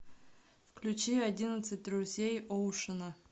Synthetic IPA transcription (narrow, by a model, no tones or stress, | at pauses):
fklʲʉt͡ɕiadʲinət̪sɨt̚ʲrʲuzʲejoʂɨnə